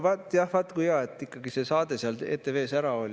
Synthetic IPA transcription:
vɑt̪ːˑjɑhvɑt̪ːˑkujɑːe̞t̪ːˑikːɑɡise̞sɑːd̪e̞seɑle̞ːt̪ːˑe̞ve̞ːsæɾɑo̞lʲ

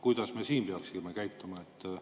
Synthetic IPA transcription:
kujd̪̥ɑsmesiːmbeɑlsimekæjt̪ːˑomɑet̪ː

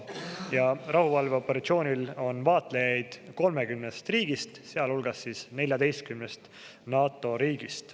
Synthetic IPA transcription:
jɑrɑhuvɑlve̞o̞pːe̞ɾɑt̪sio̞ːnʲilo̞nvɑːt̪ˑlejɑjd̪̥ko̞lme̞ɡymnest̪riːɡ̥ist̪seɑlulɡɑsːiːsne̞lʲjɑd̪e̞jst̪̚kymnest̪ | nɑːt̪ːˑo̞ɾiːɡist̪

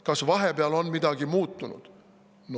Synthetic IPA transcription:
kɑsvɑɦe̞peɑlo̞nmid̪ɑɡimuːt̪ːˑunṵd̪̥ | n

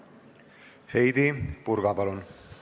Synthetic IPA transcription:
hejd̪ipuɾɡapalon

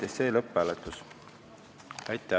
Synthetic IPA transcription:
eseːlɤpːælet̪ːˑus | æjt̪ːˑæ

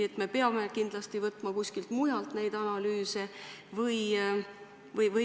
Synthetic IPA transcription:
et̪ːme̞peɑme̞kind̪lɑst̪ivɤt̪ːˑmɑkusʲkilt̪mujɑlt̪ne̞jd̪̥ɑnɑlyːse̞vɤj | vɤjvɤ

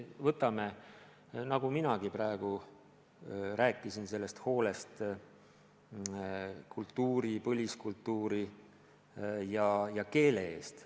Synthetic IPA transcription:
vɤt̪ːˑɑme̞ | nɑɡuminɑɡ̥iprɑe̞ɡ̥u | ɾæːkːˑisinse̞lːe̞st̪ho̞ːle̞st̪ | kʰult̪ːuːɾipɤlʲiskult̪ːuːɾi | jɑjɑke̞ːle̞ḛːst̪

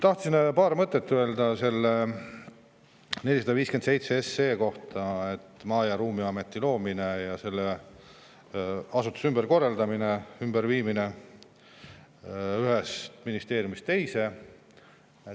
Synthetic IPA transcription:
t̪ɑht̪sinpɑːɾmɤt̪ːˑet̪ːøe̞ld̪ɑse̞lːe | nelis̬ɑd̪̥ɑviːskend̪se̞jt̪seesːeːko̞ht̪ɑe̞t̪ːˑmɑːjɑɾuːmiɑme̞t̪ːˑilo̞ːmine̞jɑse̞lːe | ɑsut̪ːˑu̥symb̥eɾko̞rːɑld̪ɑmineymbeɾviːmine | yɦe̞st̪minist̪e̞ːɾjumist̪ːe̞jse̞

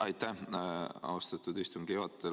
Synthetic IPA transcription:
ɑjt̪ːæ | ɑ̰ɑst̪ɑt̪ːˑud̪ist̪umɡevɑt̪ːe

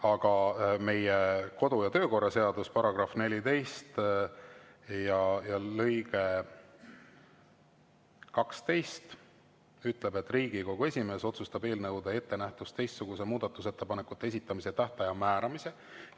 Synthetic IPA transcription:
ɑɡ̥ɑme̞jeko̞d̪̥ujɑt̪ø̞ːko̞rːɑse̞ɑd̪̥uspɑɾɑɡ̥rɑfne̞lʲit̪e̞jst̪ | jɑjɑlɤjɡe̞ | kɑkst̪e̞jst̪ | yt̪ːˑle̞be̞t̪ːˑriːɡ̥iko̞ɡ̥ue̞sʲime̞ːso̞t̪sust̪ɑbe̞ːlnɤwd̪̥ɑe̞t̪ːe̞næht̪ust̪e̞jst̪ːsuɡ̥usemuːd̪ɑt̪ːˑuse̞t̪ːe̞pɑnekːˑut̪ːeesit̪ːˑɑmiset̪æht̪ɑjɑmæːɾɑmise̞

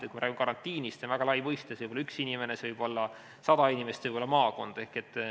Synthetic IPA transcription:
et̪kumɾæːɡimekɑɾɑnt̪ːiːnist̪sevæɡɑlɑjmɤjst̪esevɯjbolɑyksinʲime̞nesevɯjbo̞lːɑ | sɑd̪ɑinʲimest̪vɯjbolːɑmɑːko̞nd̪̥e̞hke̞t̪ːˑ

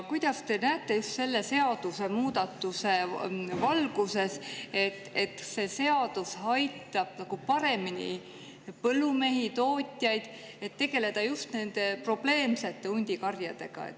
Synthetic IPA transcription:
kujd̪̥ɑst̪e̞næːt̪ˑːe̞just̪se̞lːe̞se̞ɑd̪̥use̞muːd̪ɑt̪ːuse̞vɑlɡ̥use̞se̞t̪ːˑe̞t̪ːse̞se̞ɑd̪̥ushɑjt̪ːˑɑb̥nɑɡ̥upɑɾe̞minḭ | pɤlːume̞ɦit̪o̞ːt̪ʲˑjɑjd̪̥ | e̞t̪ːe̞ɡ̥e̞le̞d̪̥ɑjust̪ne̞nd̪e̞pro̞b̥le̞ːmse̞t̪ːe̞unʲd̪̥ʲikɑrjɑd̪̥e̞̰ɡ̥ɑ̰ḛt̪ːˑ

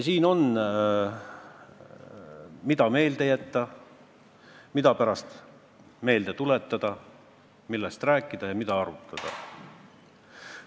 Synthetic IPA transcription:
siːno̞n | mid̪ɑme̞ːld̪̥e̞jæt̪ːɑ | mid̪ɑpæɾɑst̪ | me̞ːld̪et̪ulet̪ːɑd̪̥ɑ | milːest̪ræːkːˑid̪ɑjɑmid̪ɑɑɾut̪ˑːɑd̪̥ɑ

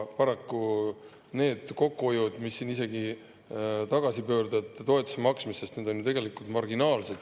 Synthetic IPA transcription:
pɑɾɑkːu | ne̞ːd̪̥ko̞kːuojud̪̥misːinise̞ɡi | t̪ɑɡ̥ɑsipø̞ːrd̪ɑd̪t̪o̞e̞t̪ːˑu̥semɑksmisest̪neːd̪o̞njut̪e̞ɡ̥e̞likˑult̪mɑrɡinɑːlse̞d̪̥

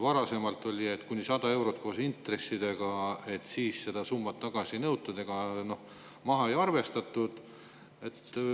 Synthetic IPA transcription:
vɑɾɑse̞mɑlt̪ːˑo̞lʲie̞t̪ːkunʲːisɑd̪̥ɑe̞wɾo̞t̪̚ːˑko̞ːsint̪re̞sːid̪̥e̞ɡ̥ɑe̞t̪siːsse̞d̪̥ɑsumːɑt̪ːɑɡ̥ɑsinɤwt̪ːud̪̥eɡ̥ɑno̞h | mɑɦɑejɑrve̞st̪ɑt̪ːˑud̪̥ | e̞t̪ː

